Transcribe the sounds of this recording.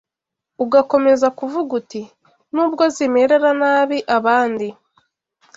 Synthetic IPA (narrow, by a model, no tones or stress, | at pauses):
uɡako̞me̞zakuvuɡuti | nuːbɡo̞zime̞ɾe̞ɾanaːβiʔaβaːndi